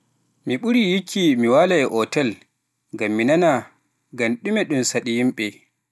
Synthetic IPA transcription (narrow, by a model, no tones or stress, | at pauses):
miɓuɾijikʰimiwalajɛʔɔtɛl | ɡamːinana | ɡanɗumɛɗunsaɗijimɓɛ